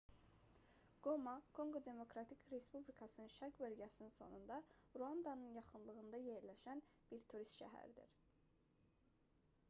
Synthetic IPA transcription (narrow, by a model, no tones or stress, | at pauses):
ɡ̥o̞mɑkʰo̞ŋɡo̞d̪e̞mo̞kɾɑt̪ʰikʰɾe̞spublikʰɑsɯnɯnʃæɾkbø̞lɟæsininso̞̰nund̪ɑɾuɑnd̪ɑnɯnjɑχɯnlˠɯɣɯnd̪ɑje̞ɾlæʃænb̥iɾt̪ʰuɾist̪ʃæ̰ɦæ̰ɾid̪ḭɾ̥